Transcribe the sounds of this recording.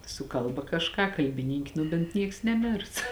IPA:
sʊ ˈkɐlˠbɐ kɐʃˈkɑː kɐlʲbʲɪˈnʲiːŋʲkʲ ˈnʊ bʲeːnt ˈnʲiɛks nʲɛˈmʲeːrs

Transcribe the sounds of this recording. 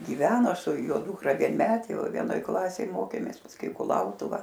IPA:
ɡʲɪˈʋʲæːnoː sʊ ˈjoː ˈduːkrɐ ʋʲiɛnʲˈmʲæːtʲeː ˈʋɐ ʋʲiɛnoːˈj ˈklˠɑːsʲeːj ˈmoːkʲeːmʲeːs pɐsˈkʊɪ ɪ kʊˈlˠɐʊtʊʋɐ

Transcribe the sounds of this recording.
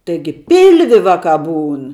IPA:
tɐɪˈɡʲɪ ˈpʲɪlʲʋʲɪ ˈʋɑːˌkɑː ˈbuːn

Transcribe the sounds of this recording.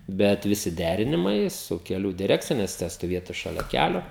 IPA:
ˈbʲɛt ʋʲɪˈsʲɪ ˈdʲærʲɪnʲɪmɐɪ sʊ kʲɛˈlʲuː dʲɪˈrʲæːkt͡sʲɪjɛ nʲɛs tʲɛ stoːˈʋʲiɛtʊ ʃɐˈlʲɛ ˈkʲælʲoː

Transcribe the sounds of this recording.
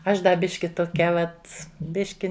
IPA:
ˈɐʃ ˈdɐ ˈbʲɪʃʲkʲɪ toːˈkʲɛ ˈʋɐt ˈbʲɪʃʲkʲɪ

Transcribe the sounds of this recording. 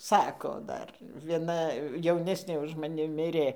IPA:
ˈsɑːkoː ˈdɐr ʋʲiɛˈnɐ jɛʊˈnʲæːsʲnʲeː ʊʃ mɐˈnʲɪ ˈmʲɪrʲeː

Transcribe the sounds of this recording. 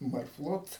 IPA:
mɐrˈflˠoːt

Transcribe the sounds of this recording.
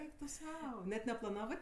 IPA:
ˈɛɪk tʊ ˈsɐʊ nʲɛt nʲɛplˠɐˈnɑːʋɜ

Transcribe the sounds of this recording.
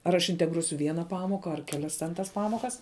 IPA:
ɐr ɐʃ ɪnʲtʲɛɡˈruɔsʲʊ ˈʋʲiɛnɐ ˈpɑːmoːkɐ ɐr kʲɛˈlʲɛs tʲɛn tɐs ˈpɑːmoːkɐs

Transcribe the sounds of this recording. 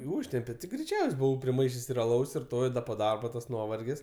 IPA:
ɪ ˈuːʃʲtʲɛmʲpʲɛ tʲɪ ɡrʲɛɪˈt͡ʃʲɛʊsʲ ˈbʊʋɐʊ pʲrʲɪˈmɐɪʃʲeːsʲ ɪr ɐˈlˠɐʊs ɪr ˈtoː ɪr ˈdɐ poː ˈdɐrboː tɐs ˈnuɔʋɐrʲɡʲɪs

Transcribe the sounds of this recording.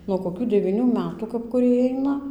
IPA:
nuɔ koːˈkʲuː dʲɛʋʲiːˈnʲuː ˈmʲæːtuː kɐp kʊˈrʲiɛj ˈɐɪnɐ

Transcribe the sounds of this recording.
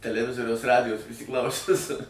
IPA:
tʲɛlʲɛˈʋʲɪzoːrʲɛʊs ˈrɑːdʲɪjoːs pʲrʲɪsʲɪˈklˠɐʊsʲʊs

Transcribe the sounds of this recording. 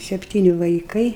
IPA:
sʲɛpʲˈtʲiːnʲɪ ʋɐɪˈkɐɪ

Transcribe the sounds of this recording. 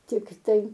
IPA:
ˈtʲɪktɐɪ

